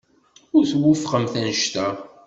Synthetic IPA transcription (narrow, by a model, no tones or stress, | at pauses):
ʊɾθwːʊfχəmθænʃt̪æ